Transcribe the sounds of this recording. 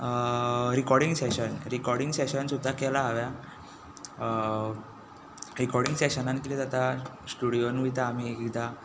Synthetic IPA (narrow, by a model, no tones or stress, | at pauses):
ɾikɔɾɽiŋɡseɕənɾikɔɾɽiŋɡseɕənsud̪ʱːakɛlaːʋja | ɾikɔɾɽiŋɡseɕənãnkiɾid͡z̪at̪asʈuɽijonʋit̪aːm̤ieɡid̪a